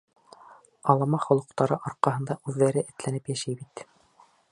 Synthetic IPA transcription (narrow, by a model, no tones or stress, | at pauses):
ɑlˠɑmɑχŏlˠɤ̆qt̪ɑɾɤʔɑɾqɑɦɤ̆nd̪ɑʔʉðːæɾɘʔɘ̆t̪lænɘpjæʃijbit̪